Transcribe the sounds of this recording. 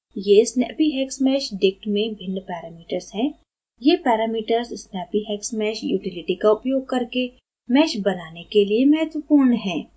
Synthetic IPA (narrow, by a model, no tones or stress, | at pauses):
jesnɛ̰ːpiɦɛːksmɛːʃɖɪk̚ʈmẽbʱɪ̃nɖpɛːɾaːmiːʈəɾzɦɛ̃ː | jepɛːɾaːmiːʈəɾzɪsnɛːpiɦɛːksmɛːʃjṵːʈɪlɪʈikaʊpjoːɡ̚kɐɾke | mɛːʃbɐnaːnekeliemɛɦət̪ʋəpuːɾɳɦɛ̃ː